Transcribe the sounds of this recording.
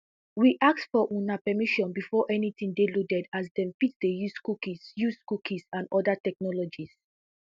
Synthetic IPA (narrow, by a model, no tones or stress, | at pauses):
wiʔak̚tfɔʔũnapɛmiʃɔ̃nbifɔʔɛnitĩŋdeludɛdasdɛ̃mfitdejuskukisjuskukʰĩsãnɔdatɛk̚nɔlɔd͡ʒis